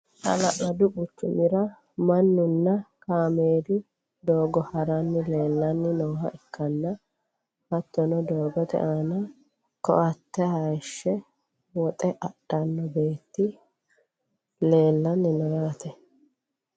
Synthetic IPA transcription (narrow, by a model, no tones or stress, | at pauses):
tɐ̰lɐʔɐd̪ʊbʊt͡ʃːʊmɪɾɐ | mɐnːʊnːɐkaːmeːd̪ɪ | d̪oːɡɔhɐɾɐnːɪle̞ːlːɐnːɪnɔːɦɐʔɛkːɐnːɐ | hɐt̪ːɔnɔd̪oːɡɔt̪ɛ̰ʔaːnɐ | kɔ̰ʔɐt̪ːɛhɐjʃːɛ | wɔt̪ʼɛʔɐɗɐnːɔbe̞ːt̪ːɪ | le̞ːlːɐnːɪnɔjaːt̪ɛ